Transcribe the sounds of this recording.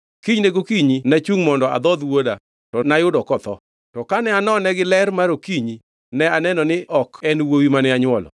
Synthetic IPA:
kiɲneɡokiɲinat͡ʃuŋmɔndɔa̰d̪ɔd̪woda | tɔnajʊdɔkɔt̪ɔ̰ | tɔkanɛanɔnɛɡɪlɛɾmaɾokiɲi | nɛanɛnɔnɪʔɔkɛnwowimanɪaɲwɔlɔ̰

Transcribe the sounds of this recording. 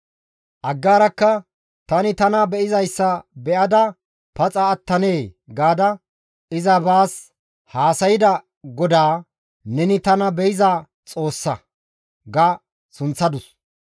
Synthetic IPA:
ʔɐɡːaːɾɐkːɐ | t̪ɐnɪt̪ɐnɐbɛʔɪzɐjsːɐbɛʔɐd̪ɐ | pɐt͡sʼɐːt̪ːɐne̞ːɡaːd̪ɐ | ɪzɐbaːs | haːsɐjɪd̪ɐ | ɡɔd̪aː | nɛnɪt̪ɐnɐbɛjɪza | t͡sʼo̞ːsːɐ | ɡɐ | sʊnt͡sːɐd̪ʊs

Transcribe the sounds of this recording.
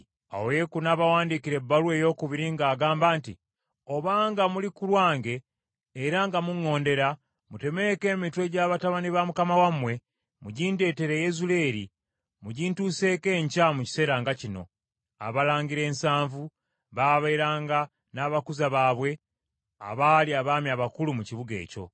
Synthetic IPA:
a̰woje̞kunaːβawaːndikiɾe̞bːaluwe̞ːjo̞ːkuβiɾiŋɡaːɡaːmbaːntḭ | o̞βaːŋɡamulikulwaːŋɡe̞ː | ɾaŋɡamuŋːo̞ːnde̞ɾa | mute̞me̞ke̞ːmitwe̞ɟaːβataβaniβamukamawamwe̞ | muɟiːnde̞ːte̞ɾe̞jezule̞ɾḭ | muɟiːntuːse̞ːke̞ːɲcamuci̥se̞ːɾaːŋɡacino̞̰ | a̰βalaːŋɡiɾe̞ːnsaːɱvu | βaːβeiɾaːŋɡa | naːβakuzaβaːβwe̞ | a̰βaːliaβaːmjaβakulumuciβuɡe̞̰ːco̞̰

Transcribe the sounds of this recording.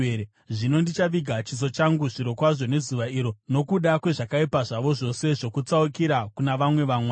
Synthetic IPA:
e | ʐino̞ndit͡ʃaʋiɡʱat͡ʃizo̞t͡ʃaŋɡuʐiɾo̞kwaʐo̞ne̞zuʋaiːɾo̞no̞kuɗakwe̞ʐakaipaʐaʋo̞ʐo̞se̞ʐo̞kut͡saukiɾakunaʋamwe̞ʋaːmwe

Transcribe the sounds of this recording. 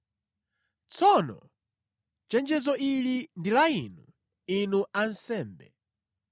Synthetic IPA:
t͡sʰɔnɔ̰ | t͡ʃɛnd͡ʒɛzɔʔilindilainu | inuʔansɛːmbɛ̰

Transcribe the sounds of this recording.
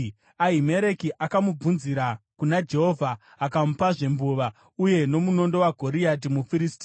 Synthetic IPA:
aɦime̞ɾe̞kiʔakamub͡vunziɾakunad͡ʒe̞ɦo̞vʱaː | kamupaʐe̞mbuʋa | uje̞no̞muno̞ndo̞waɡʱo̞ɾiat̬imufiɾisti

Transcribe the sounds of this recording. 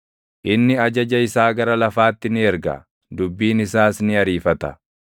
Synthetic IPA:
ʔɪnːɪɐd͡ʒɐd͡ʒɐɪsaːɡɐɾɐlɐfaːt̪ːɪnɪɛɾɡɐ̰ | d̪ʊbːiːnɪsaːsnɪɐɾiːfɐt̪ɐ̰

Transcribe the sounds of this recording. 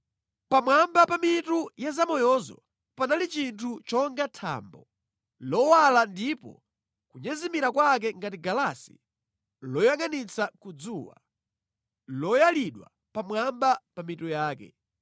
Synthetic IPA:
pamwambapamitujazamɔjɔzɔ̰ | panalit͡ʃintʰut͡ʃɔŋɡatʰa̰mbɔ | lɔwalandipɔ̰ | kuɲɛzimiɾakwak̬ɛŋɡatiɡalasḭ | lɔjaŋanit͡sʰakud͡zuwa̰ | lɔjaliɗwa̰ | pamwambapamitujaːkɛ̰

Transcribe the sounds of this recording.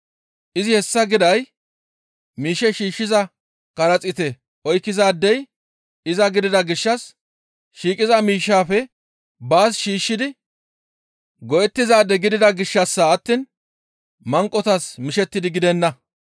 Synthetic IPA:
ʔɪzɪhɛsːɐɡɪd̪ɐj | miːʃɛʃiːʃːɪzɐ | kɐɾɐt͡sʼɪt̪ɛ | ʔɔjkːɪzaːd̪ːɛj | ɪzɐɡɪd̪ɪd̪ɐɡɪʃːɐs | ʃiːkʼɪzɐmiːʃːaːfɛ | baːsʃiːʃːɪd̪ɪ | ɡɔʔɛt̪ːɪzaːd̪ːɛɡɪd̪ɪd̪ɐɡɪʃːɐsːaɐt̪ːiːn | mɐŋkʼːɔt̪ɐsmɪʃɛt̪ːɪd̪ɪɡɪd̪ɛnːɐ

